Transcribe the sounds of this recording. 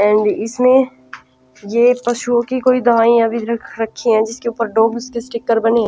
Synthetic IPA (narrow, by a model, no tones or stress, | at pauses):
ɛ̃ːɳɖɪsmẽ | jeːpɐʃuõkikoːid̪ɐɦaːĩɐbʱiɾɐkʰɾɐkʰːiɦɛ̃d͡ʒɪskeuːpəɾɖoːɡʊskesʈɪkːəɾbɐne